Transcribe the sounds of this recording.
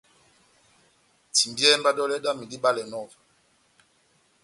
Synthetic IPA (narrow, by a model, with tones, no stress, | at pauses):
ti˨mbjɛ˦mba˦dɔ˦lɛ˦ɗa˦mi˨di˦ɓa˦lɛ˨nɔ˦˨va˨